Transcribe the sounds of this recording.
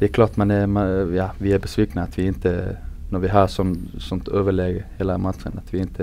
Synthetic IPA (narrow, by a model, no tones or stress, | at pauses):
d̪̥ɛɛkʰlɑːɾt̪mɛnd̪ɛmɛjɑːʋɪæɾbəsʋiːknəɑt̪ʰʋɪɪnt̪ənɔɾʋɪɦɑːɾsɔnːsɔnt̪ʰøːʋəleːɡheːləmɑt̪ɾə̰nɑt̪ʰʋɪɪnt̪ʰə